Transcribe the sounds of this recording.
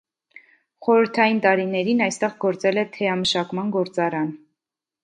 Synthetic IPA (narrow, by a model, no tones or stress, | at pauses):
χɔɾəɾt̪ʰɑjint̪ɑɾinɛɾinɑjst̪ɛʁɡɔɾt͡sɛlɛt̪ʰɛɑməʃɑkmɑnɡɔɾt͡sɑɾɑn